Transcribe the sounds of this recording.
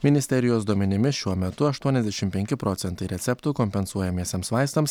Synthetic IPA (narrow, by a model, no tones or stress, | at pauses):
mʲɪnʲɪsʲt̪ʲɛɾʲɪjoːs̬d̪uɔmʲɛnʲɪmʲɪʃʲuɔmʲɛt̪ʊɐʃt̪uɔnʲɛzd̪ʲɛʃʲɪmpʲɛŋʲkʲɪpɾoːt̪sʲɛnt̪ɐɪɾʲɛt̪sʲɛpt̪ʊkɔmʲpʲɛnsuɔjɛmʲeːsʲemsʋɑɪst̪ɐms